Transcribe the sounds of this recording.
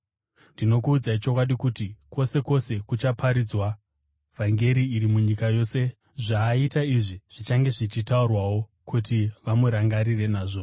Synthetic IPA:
ndino̞kuːd͡zait͡ʃo̞kwaɗikutikwo̞se̞ko̞se̞kut͡ʃapʰaɾid͡zwa | v̥ʱaŋɡe̞ɾiːɾimuɲikajo̞ːse̞ | ʐaːitaiʐiʐ̥it͡ʃaŋɡe̞ʐit͡ʃitaurwawo̞ | kʰutiʋamuɾaŋɡaɾire̞naːʐo̞

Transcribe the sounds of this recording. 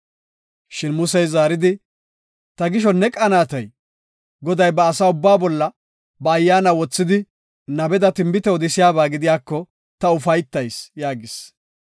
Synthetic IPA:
ʃɪnmʊsɛjzaːɾɪd̪ɪ | t̪ɐɡɪʃɔnːɛkʼɐnaːt̪ɐj | ɡɔd̪ɐjbɐːsaːʊbːaːbɔlːɐ | bɐːjːaːnawɔt͡sːɪd̪ɪ | nɐbɛd̪ɐt̪ɪmbɪt̪ɛɔd̪ɪsɪjaːbaːɡɪd̪ɪjaːkːɔ | t̪ɐʊfɐjt̪ːɐjsjaːɡɪs

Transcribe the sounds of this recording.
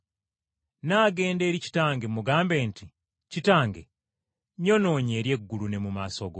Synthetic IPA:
naɡe̞ːnde̞ːɾici̥taːŋɡemuɡaːmbe̞ːnti | citaːŋɡe | ɲono̞ːɲe̞ːɾje̞ɡːulune̞mumasoɡo

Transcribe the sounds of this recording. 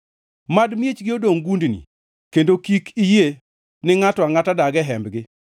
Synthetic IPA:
madmjet͡ʃɡɪodoŋɡundnḭ | kendokikʰije | nɪŋatɔaŋatadaɡɛɦɛmbɡɪ

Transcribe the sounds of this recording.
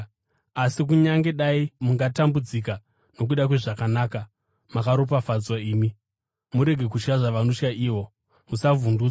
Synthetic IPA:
asik̬uɲaŋɡe̞ɗaimuŋɡatambud͡zika | no̞k̬uɗakweʐakanaːka | makaɾop̬afad͡zwaiːmi | muɾe̞ɡʱe̞kuʃkaʐaʋanoʃkaʔiːwo̞ | musavunduːt͡sa

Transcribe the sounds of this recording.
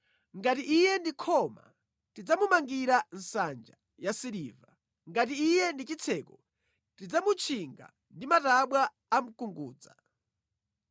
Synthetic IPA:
ŋɡatiʔijɛndikʰɔma̰ | tid͡zamumaŋɡiɾan̩sand͡ʒa | jasiɾiːva | ŋɡat̬iːjɛndit͡ʃit͡sʰɛːkɔ | tid͡zamut͡ʃʰiŋɡa̰ | ndimataɓwaː | m̩kuŋɡuːd͡za̰

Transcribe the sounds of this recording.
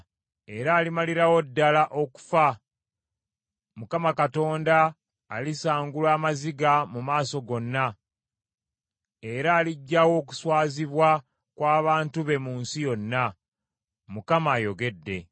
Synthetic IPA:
e̞ɾaːlimaliɾawo̞dːalaʔo̞ku̥fa | mukamakato̞ːndaː | lisaːŋɡulwaːmaziɡamumaːso̞ɡo̞nːa | e̞ɾaːliɟːawo̞ːku̥swaːziβwa | kwaːβaːntuβe̞muːnsijo̞nːa | mukamaːjo̞ɡe̞dːe̞

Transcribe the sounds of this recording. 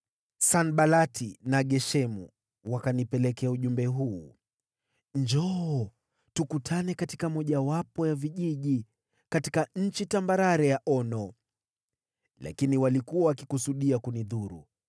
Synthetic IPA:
sanɓalatʰinaɠɛʃɛmṵ | wakanipɛlɛkɛauʄumbɛɦuː | ɲd͡ʒɔɔ | tukutʰanɛkatikamɔʄawapɔjaviʄiʄi | katikaɲ̩t͡ʃitambaɾaɾɛjaʔɔnɔ | la̰kiniwalikuawakikusuɗiakuniðuɾṵ

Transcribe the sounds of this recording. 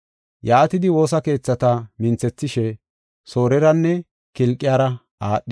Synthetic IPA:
jaːt̪ɪd̪ɪwo̞ːs̬ɐke̞ːt͡sːɐt̪ɐmɪnt͡sːɛt͡sːɪʃɛ | so̞ːɾɛɾɐnːɛ | kɪlkʼːɪjaːɾɐ | aːɗːɪ

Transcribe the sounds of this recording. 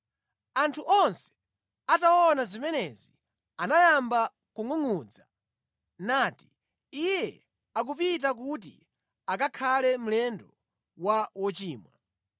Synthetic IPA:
antʰuʔɔnsɛ̥ | atawɔnazimɛnɛzi | anajamba | kuŋuŋud͡za | naːti̥ | ijɛ | ak̬upit̬ak̬ut̬ḭ | akakʰalɛm̩lɛndɔ | wawɔt͡ʃiːmwa̰

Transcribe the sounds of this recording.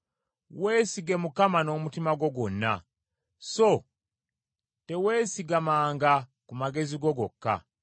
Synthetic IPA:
weːsiɡe̞mukamano̞mutimaɡo̞ɡonːa̰ | so | te̞we̞ːsiɡamaːŋɡa | kumaɡe̞ziɡo̞ɡokːa̰

